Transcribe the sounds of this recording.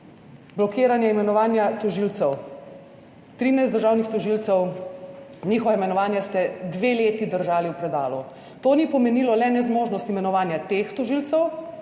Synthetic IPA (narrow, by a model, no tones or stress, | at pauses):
blɔkeːɾanjɛimɛnɔʋaːnjat̪ɔʒilt̪sɛw | t̪ɾiːnajsd̪əɾʒaːwnixt̪ɔʒilt̪sɛw | niːxɔʋaimɛnɔʋaːnjast̪ɛd̪ʋeːleːt̪id̪əɾʒaːliwpɾɛd̪a̰ːlu | t̪oːnipɔmɛniːlɔlɛnɛzmoːʒnɔst̪imɛnɔʋaːnjat̪ext̪ɔʒilt̪sɛw